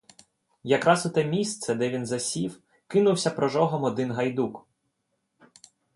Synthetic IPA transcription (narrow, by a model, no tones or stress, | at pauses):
jɐkɾɑsʊt̪ɛmʲist̪sɛd̪ɛʋʲinzɐsʲiw | kɪnʊwsʲɐpɾɔʒɔɦɔmɔd̪ɪnɦɐjd̪uk